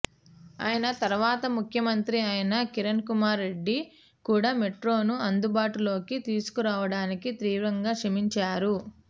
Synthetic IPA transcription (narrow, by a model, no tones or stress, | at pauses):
a̰ːjɐnɐt̪ɐɾuʋaːt̪ɐmukʰjɐmɐnt̪ɾiɐjɐnɐkiɾɐnkumaːɾːeɖːi | kuːɽaːme̞ʈɾo̞ːnuɐnd̪ubaːʈulo̞ːkit̪iːsu̥kuɾaːʋɐɽaːnikit̪ɾiːʋɾɐŋɡaːkʂɐmiɲt͡ʃaːɾu